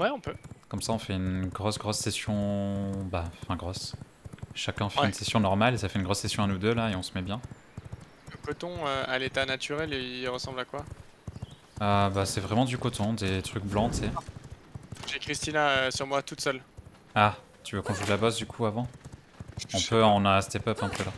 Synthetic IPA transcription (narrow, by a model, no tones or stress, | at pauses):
wɛɔ̃pøkɔmsaɔ̃fɛynɡʁɔsɡʁɔsːesjɔ̃baɑ̃fɛ̃ɡʁɔs | ʃakʲɛ̃fɛynsesjɔ̃nɔʁmalesafɛynɡʁɔsːesjɔ̃anud̪ølaeɔ̃səmɛbjɛ̃ | ləkɔt̪ɔ̃øalet̪anat̪ʰyʁɛleiʁəsɑ̃blakwa | øbasɛvʁɛmɑ̃d̪ykɔt̪ʰɔ̃d̪et̪χyk̚blɑ̃t̪sɛ | ʒekχist̪inaøsyʁmwat̪ut̪sœl | a | t̪yvøkɔ̃ʒulabɔsd̪ykʰuavɑ̃ | ɔ̃pøɔ̃nast̪ɛpœpɛ̃pʰøla